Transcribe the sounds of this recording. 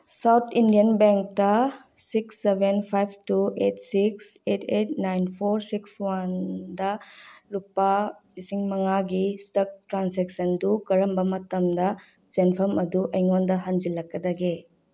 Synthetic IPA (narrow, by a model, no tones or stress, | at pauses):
sawt̪ʰindijɐnbeŋk̚tɐ | siksːebenpʰajbʰtuetsiksetʰetnajnpʰoɾsikswandɐlupːɐ | isiŋmɐŋaɡistɐk̚tɾanseksɐndukɐɾɐmbɐmɐtɐmdɐ | senpʰɐmɐduʔɐjŋondɐɦɐnzilɐkːɐdɐɡe